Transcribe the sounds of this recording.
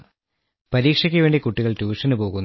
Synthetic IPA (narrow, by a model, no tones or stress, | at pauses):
pɐɾiːkʂɐk̬ʲːɨʋe̞ːɳɖikuʈːiɣɐɭʈuːʂɐnɨpo̞ːɣunː